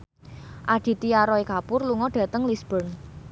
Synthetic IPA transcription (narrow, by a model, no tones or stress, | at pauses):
ʔaɖ̪̥i̤t̪iaɾɔekapʊrluŋɔɖ̥ä̤t̪əŋlisb̥ɔn